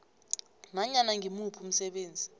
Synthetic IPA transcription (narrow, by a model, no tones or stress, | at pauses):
naɲanaŋɡʱimupʰum̩sɛɓeːnd͡zʱi